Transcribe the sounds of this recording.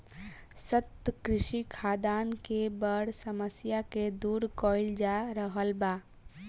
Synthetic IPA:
sət̪kɾɪʃikʰaːd̪aːnkebəɽsəməsjaked̪uːɾkɔːɪld͡ʒaɾəɦəlbaː

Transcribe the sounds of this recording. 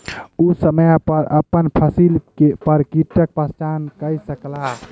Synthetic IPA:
usəməjpəɾəpənpʰəsilkepəɾkiʈək̚pəst͡ʃankəjsəkla

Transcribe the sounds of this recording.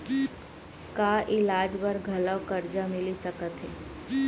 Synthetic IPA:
kaːʔɪlaːd͡ʒbəɾɡʱɐləwkɐɾd͡ʒamɪlisɐkət̪ɦɛː

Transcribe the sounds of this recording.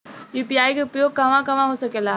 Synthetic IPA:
jipiaːikeʊpjoːɡ̚kɐʋãkɐʋãɦosɐkela

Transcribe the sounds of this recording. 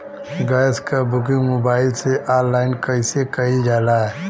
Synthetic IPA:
ɡaːjskabʊkɪ̃ŋmoːbaːɪlseʔaːɾlaːɪnkəɪsekəid͡ʒaːlaɦɛ

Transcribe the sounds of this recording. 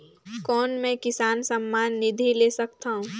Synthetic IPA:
kɔːnmẽkɪsaːnsɐmːaːnːɪd̪ʱileːsɐk̚t̪aːɦũː

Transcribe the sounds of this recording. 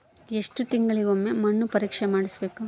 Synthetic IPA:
eʂʈut̪iŋɡɐɭiɡomːemɐɳːupɐɾiːkʂemaːɽisbeːku

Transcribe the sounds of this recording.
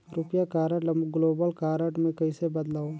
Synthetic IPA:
ɾʊpjakaːɾəʈlɐmɡloːbəlkaːɾəʈmẽkɐisebɐd̪laːo

